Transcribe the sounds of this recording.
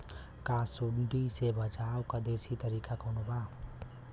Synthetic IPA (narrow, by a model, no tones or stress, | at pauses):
kaːsuɳɖiːsebəd͡ʒaːwkad̪eːsiːt̪əɾiːkakonobaː